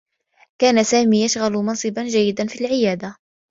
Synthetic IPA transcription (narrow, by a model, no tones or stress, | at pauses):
kaːnasaːmiːjaʃɣalmɑnsˤɨband͡ʒajːɪd̪anfilʕɪjaːd̪a